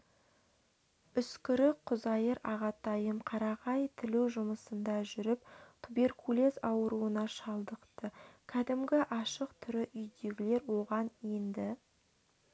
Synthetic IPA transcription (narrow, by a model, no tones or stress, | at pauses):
ʏskʲɪɾɪqʰʊzɑjəɾɑʁɑt̪ɑjəmqʰɑɾɑʁɑjt̪ʰɪluwʒʊməsənd̪ɑʒʏɾɪp̚t̪ʰube̞ɾkʰule̞zɑwəɾuənɑʃɑlˠd̪əqt̪əkʲʰæd̪ɪmɡʲɪʔɑʃəqt̪ʰʏɾɪʔʏjd̪e̞ɡʲɪle̞ɾwo̞ʁɑnend̪ɪ